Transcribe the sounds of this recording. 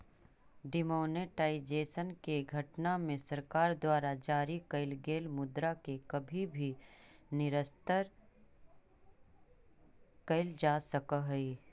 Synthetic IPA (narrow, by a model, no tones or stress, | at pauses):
ɖɪmoːneʈaːid͡ʒeːsənkeɡʱɐʈnamẽsɐɾkaːɾd̪waːɾad͡ʒaːɾikɐɪlɡeːlmʊd̪ɾakekɐbʱibʱinɪɾəst̪əɾ | kɐɪld͡ʒaːsɐkəɦɛi